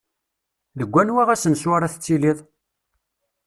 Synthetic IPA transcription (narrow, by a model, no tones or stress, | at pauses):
ðəɡʷːænwaʁæsənswaɾaθət͡sːiliðˤ